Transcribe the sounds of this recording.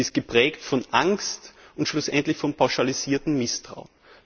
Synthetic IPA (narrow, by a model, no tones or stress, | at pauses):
ɪst̚ɡ̥əpʁ̥ɛːktfɔnʔaŋstʊntʃlʊsʔɛ̰ntlɪçfɔnpʰaʊʃaliziːɐtn̩mɪstʁ̥a̰ʊn